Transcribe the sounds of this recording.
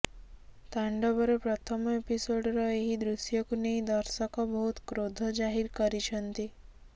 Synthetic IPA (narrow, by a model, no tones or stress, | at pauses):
t̪aɳɖɔbɔɾɔpɾɔt̪ʰɔmɔepisoɖɔɾɔeɦid̪ɾusjɔkunejd̪ɔɾsɔkɔbɔɦut̪kɾod̪ʱɔd͡ʒaɦiɾkɔɾit͡ʃʰɔnt̪i